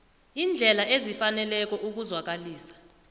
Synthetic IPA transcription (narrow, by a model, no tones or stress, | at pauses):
iːnd͡ɮʱɛlaʔezifanɛlɛk̬ɔʔuk̬uzwak̬aliːsḁ